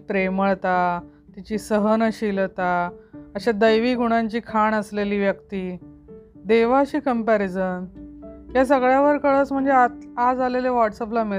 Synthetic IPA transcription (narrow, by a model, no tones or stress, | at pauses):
pɾeməɭt̪a | t̪it͡ɕiːsəɦənəɕilt̪aəɕad̪əjʋiːɡʱuɽ̃ãɲt͡ɕiːkʰaɳəsleliːʋjəkt̪iː | d̪eʋaɕiːkəmpæɾid͡zən | jas̬əɡɭjaʋəɾkəɭət͡sm̤əɳd͡zeaad͡zaleleʋɔʈsəp̬lami